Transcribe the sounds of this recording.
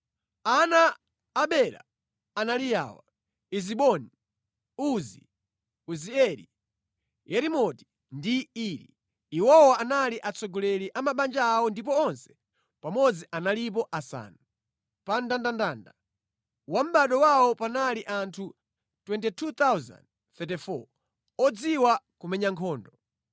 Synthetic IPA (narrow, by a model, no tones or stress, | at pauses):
anaː | ɓɛla̰ | analija̰wa̰ | iziɓɔni | uzi | uziɛɾḭ | jɛɾimɔti̥ | ndiiːɾḭ | iwɔwaʔanaliʔat͡sɔɡɔlɛliʔamaɓand͡ʒaːwɔndip̬ɔɔnsɛ̥ | pamɔd͡ziʔanalip̬ɔʔasa̰ːnu | pandandandaːnda | wam̩ɓaɗɔwaɔpanaliʔantʰu | twɛntɛtʰut̪awza̰nd | θɛtɛfɔ̰ | ɔd͡ziwakumɛɲaŋkʰɔːndɔ